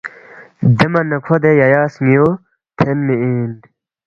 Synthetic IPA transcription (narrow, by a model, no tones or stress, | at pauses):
d̪emɐnːɐkʰod̪ejɐjaːsmijo | t̪ʰenmeiːn